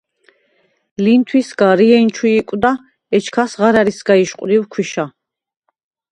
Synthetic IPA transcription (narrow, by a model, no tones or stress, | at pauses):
lint̪ʰwisɡaɾiɛint͡ʃʰwiːkʼwd̪a | ɛt͡ʃʰkʰasʁaɾaɾisɡaiʃqʼɾiwkʰwiʃa